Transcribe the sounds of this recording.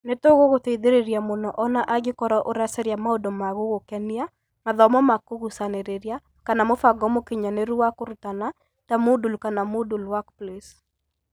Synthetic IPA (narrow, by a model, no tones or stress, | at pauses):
netoɣoɣoteiðeɾeɾjamonɔʔɔnaʔaɡɪkɔɾɔʔoɾasɛɾjamaodomaɣoɣokɛnia | maðɔmɔmakoɣusaneɾeɾja | kanamofaɡɔmokɪɲaneɾuwakoɾutana | tamodulkanamodulwakples